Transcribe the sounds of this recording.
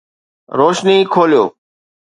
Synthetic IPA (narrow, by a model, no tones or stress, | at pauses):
ɾoːʃniːkʰoːljo̰ː